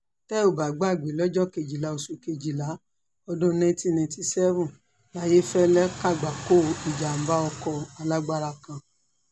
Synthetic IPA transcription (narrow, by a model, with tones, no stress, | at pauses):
tɛ˦o˨ba˨ɡ͡ba˦˨ɡ͡be˨lɔ˦d͡ʒɔ˦ke˨d͡ʒi˨la˨˧˦o˧su˨ke˧d͡ʒi˨la˨˦ | ɔ˧dõ˦nã˧˦ti˧nã˧˨˧ti˧sɛ˦vũ˦˨ | la˨˦je˦fɛ˦lɛ˦ka˦˨ɡ͡ba˨ko˦˨i˨d͡ʒa˨m̩˨˦ba˦ɔ˧kɔ˧a˧la˦ɡ͡ba˧ɾa˧kã˧